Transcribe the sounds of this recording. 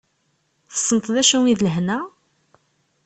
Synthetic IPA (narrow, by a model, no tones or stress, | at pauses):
θə̥sˤːənt̪ˤðæʃuŋiðləɦnæ